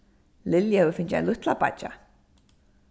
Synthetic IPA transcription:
lɪljahɛðʏɾfɪɲt͡ɕɪa̰nlʏht̪lapa̰t͡ʃːa̰

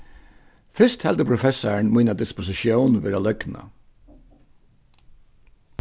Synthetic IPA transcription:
fʏst̪hɛlt̪əpʰɾʊfɛsəɳmiːnad̪ɪspʊsɪʃjoːnʋeːɾalœɡnə̰

